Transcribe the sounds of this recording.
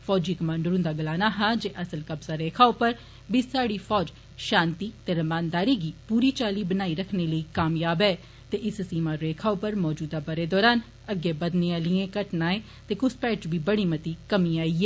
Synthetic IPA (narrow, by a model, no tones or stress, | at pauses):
fʰɔːd͡ʒiːkəmãːɳɖəɾʊ̃nd̪aːɡəlaːnaːɦaːd͡ʒeːʔəsəlkəbzaːɾeːkʰaːʊpəɾ | biːsaːɽiːfʰɔːd͡ʒ | ʃãːnt̪iːt̪eːɾəmaːnd̪aːɾiːɡiːpuːɾiːt͡ʃaːliːbənaːiːɾəkʰneːləiːkaːmjaːbɛː | t̪eːʔɪssiːmaːɾeːkʰaːʊpəɾmɔːd͡ʒuːd̪aːbəɾeːd̪ɔːɾaːn | əɡeːbəd̪nẽalɪẽːkəʈnaːẽː | t̪eːkʊspɛːʈt͡ʃbiːbəɽ̃iːmət̪iːkəmiːaːiːɛː